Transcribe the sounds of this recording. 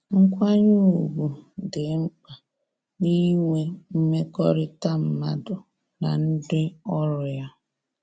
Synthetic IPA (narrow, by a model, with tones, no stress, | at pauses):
ŋ̩˦kʷa˦ɲu˦u˨ɡu˨dɪ˨˦m̩˦k͡pa˨ | ni˦ŋʷe˦m̩˦me˦kɔ˦ɾɪ˦ta˦m̩˨ma˦dʊ˨ | na̰˨n̩˦dɪ˦ɔ˦ɾʊ˨ja˦